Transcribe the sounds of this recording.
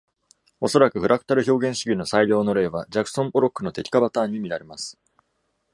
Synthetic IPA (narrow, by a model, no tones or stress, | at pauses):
o̞so̞ɾakɯ̟ɸɯ̟ɾakɯ̟̥t̪aɾɯ̟ço̞ːɡẽ̞ɰ̃ɕiɡʲino̞saiʎʲo̞ːno̞ɾe̞ːβad͡ʑakɯ̟̥sõ̞mboɾo̞kːɯ̟no̞t̪e̞kʲi̥kabat̪aːɲ̟ːimʲiɾaɾe̞masɨ̥